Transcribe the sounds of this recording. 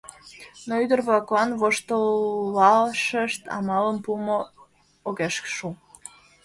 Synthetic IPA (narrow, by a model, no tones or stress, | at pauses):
noyd̪ərβɑkoɑnvoʃt̪əlːɑlʃəʃt̪ɑ̰mɑləmpumo | oɣeʃkʃu